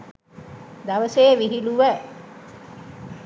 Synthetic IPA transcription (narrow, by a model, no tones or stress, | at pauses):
d̪aʋəseːʋiɦiluʋə